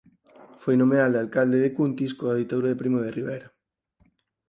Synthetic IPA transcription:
fojnõmeald̪alkald̪eðekunt̪iskoaðit̪aðuɾaðepɾimoðeriβɛjɾa

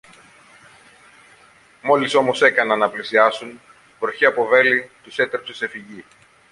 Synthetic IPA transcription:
mo̞liso̞mo̞se̞kɐnɐnːɐplisiɐsun | vɾoçiɐpo̞ve̞lit̪use̞t̪ɾepse̞se̞fiʝi

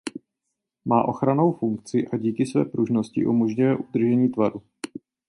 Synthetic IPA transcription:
maːʔo̞xɾano̞wfuŋk̚t͡sɪʔaɟiːkɪsvɛ̰ːpɾuʒno̞scɪ̰ʔṵmoʒɲujɛʔud̪r̩ʒɛɲiːt̪vaɾu

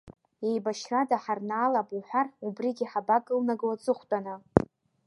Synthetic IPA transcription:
ejbaʃradaħarnaːlabʼuħʷarubriɡʲiħabakʼɨlnaɡwat͡sʼɨχʷtʼana

